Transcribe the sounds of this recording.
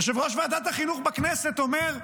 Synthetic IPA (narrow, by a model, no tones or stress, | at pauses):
ʃevʁoʃvead̪at̪aχinuχbakneset̪omeʁ